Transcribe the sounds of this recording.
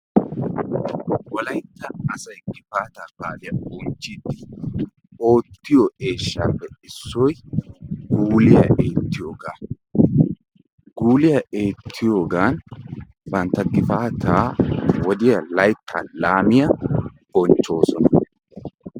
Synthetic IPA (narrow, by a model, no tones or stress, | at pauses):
wɔlɐjt̪ːɐɐsɐjɡɪfaːt̪aːb̥aːlɪjɐbɔnt͡ʃːɪːd̪ːɪ | o̞ːt̪ːɪjɔʔe̞ːʃːaːpːɛɪsːɔj | ɡuːlɪjɐ̰ʔeːt̪ːɪjo̞ːɡaː | ɡ̥uːlɪjɐʔeːt̪ʰːɪjo̞ːɡaːn | bɐnt̪ːɐɡɪfaːt̪ʰaːwɔd̪ɪjɐlɐjt̪ʰːa̰ːlaːmɪjɐb̥ɔnt͡ʃːo̞ːsɔnɐ